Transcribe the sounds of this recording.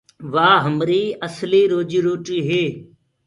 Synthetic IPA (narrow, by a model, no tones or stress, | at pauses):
ʋaːɦəmɾiːəsliːɾoːd͡ʒiːɾoːʈiːɦeː